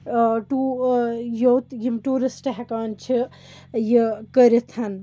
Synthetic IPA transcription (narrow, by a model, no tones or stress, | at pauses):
ʈu | jowt̪jimʈuːɾisʈɐɦekaːnt͡ʃʰi | jikəɾit̪ʰɐn